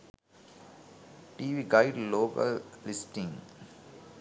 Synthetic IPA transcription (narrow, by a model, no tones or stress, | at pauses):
ʈiːʋiːɡaɪɖloːkə̰llɪsʈĩŋ